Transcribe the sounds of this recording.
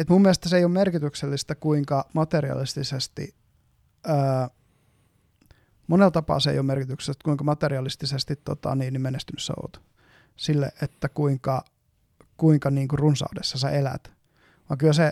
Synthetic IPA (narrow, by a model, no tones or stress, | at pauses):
et̪mumːielest̪æseijoːmerkit̪ykselːist̪ækuiŋkɑmɑt̪eɾiɑ̰list̪isest̪ḭ | əː | monelt̪ɑpɑ̰ːsḛijoːmerkit̪yksest̪kuiŋkɑmɑt̪eriɑlist̪isest̪it̪t̪ːot̪ɑ̰niːnimenest̪ynyssḛo̰ːt̪ | silːḛʔet̪ːækuiŋkɑ | kuiŋkɑniːŋkurrunsɑ̰udesːɑsɑelæ̰t̪ | ʋɑŋkylæse